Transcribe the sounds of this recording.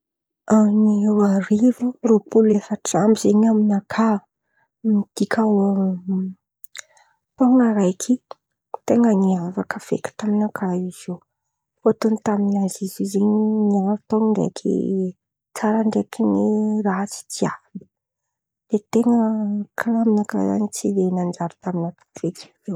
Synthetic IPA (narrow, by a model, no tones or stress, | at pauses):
aniewaɾivuropulefəʈ͡ʂambizeɲaminakʰa | mid̪̥ikʲʰaa | t̪oŋəɾajkʰi | t̪eŋəŋiafakəv̥ḛkʲi̥t̪aminakʰaiz̥o | fot̪ont̪aminazizizeɲiniaɾt̪oŋɳɖ͡ʐḛkʰḭ | t͡saɾaɳɖ͡ʐekiniraɦt͡si̥t͡siabi̥ | d̪̥et̪eŋəkʰlaminaka̰za̰nit͡silenand͡ʒaɾu̥t̪aminat̪u̥v̥eklew